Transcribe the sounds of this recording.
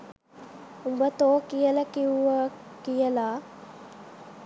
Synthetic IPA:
umbət̪oːkijəlɐkiuʋəkijəlaː

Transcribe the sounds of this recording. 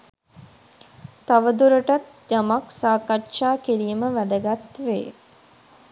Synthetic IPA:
t̪aʋəd̪uɾəʈat̪ | d͡ʒamaksaːkaʈʃaːkiɾiːməʋæd̪əɡat̪ʋeː

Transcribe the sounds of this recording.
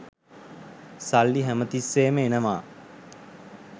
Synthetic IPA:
salːiɦæmət̪isːeːməenəʋaː

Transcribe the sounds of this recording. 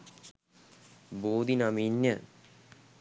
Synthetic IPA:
boːd̪ʱinaminjə

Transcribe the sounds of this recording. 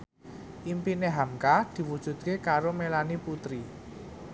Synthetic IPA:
ʔimpineɦamkad̪̥i̤wud̥ʒ̥ṳd̪̚kekaɾomelaniput̪ɾi

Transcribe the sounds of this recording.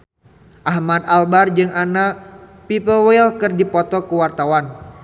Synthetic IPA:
ʔahmad̪albard͡ʒɨŋʔanapipəlwelkɨrdipɔt̪ɔkəwart̪awan

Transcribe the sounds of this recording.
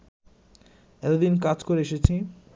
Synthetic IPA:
ɛlod̪inkad͡ʑkoɾeeʃet͡ɕʰi

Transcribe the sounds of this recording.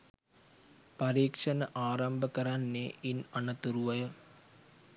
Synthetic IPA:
pɐɾiːkʂɐnɐʔaːɾɐmbʱɐkɐɾanːeːʔinɐɳɐt̪uɾuʋɐjɐ

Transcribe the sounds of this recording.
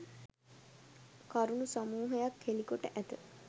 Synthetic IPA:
kaɾunusamuːɦəjakhelikoʈəʔæt̪ə

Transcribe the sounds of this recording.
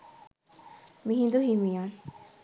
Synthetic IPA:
miɦĩnd̪uɦimijan

